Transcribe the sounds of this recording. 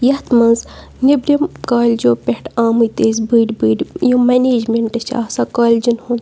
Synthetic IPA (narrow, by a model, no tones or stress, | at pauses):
jɐt̪mɐnz | nibɾʲimkaːlʲd͡ʒoːpehʈaːmɨjt̪eːzbɨːɖʲbɨːɖʲjomɐneːd͡ʒmeɳʈɨʃʰa̰ːsakaːlʲd͡ʒunhun